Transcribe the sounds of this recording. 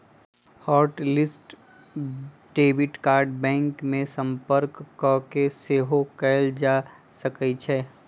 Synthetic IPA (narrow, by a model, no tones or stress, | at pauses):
hɔːɾʈlɪsʈ | ɖeːʋɪʈkaːɾɖbɛ̃ːŋkmẽsə̃mpəɾkːɔkeseːɦokɛld͡ʒaː | səkəit͡ʃʰɛː